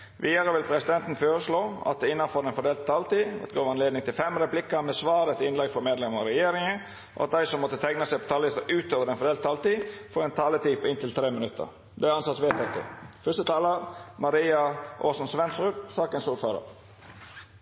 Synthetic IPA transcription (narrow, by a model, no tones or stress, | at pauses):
ʋʔiːd̪ɑɾəʋɪlpʰɾɛsɪd̪ɛnt̪n̩føːɾəsloːɑ̰t̪̚d̪ɛɪnːɑnfoːɾɛnfɔɖ̪eːlt̪̚t̪ʰɑlt̪ḭːt̪ɡoːʋɑnleːd̪nɪŋt̪ʰɪlfɛmɾɛplɪkːəmɛsʋɑːɾɛt̪ɪnlɛɡfɔɾmeːd̪lɛməɾɛjeːɾɪŋə | ʔɔ̰ɑt̪̚d̪æɪsɔmːɔt̪ːət̪ʰɛŋnəsæɪpʰɔ̥t̪ʰɑːllɪst̪əʉːt̪oːʋəɾɛnfɔɾɖeːlt̪t̪ʰːɑːlt̪iːfoːɾɛnt̪ʰɑːlət̪iːpʰɔɪnt̪ɪlt̪ʰɾeːmɪnʉt̪ːə̰ɾ | d̪ɛæɑnsɑt̪sʋɛːt̪ɛɪkːə̰fœst̪ət̪ʰɑːləɾmɑɾiːɑʔoːsɔnsʋɛnsɾʉksɑːkənsuːføːɾə̰ɾ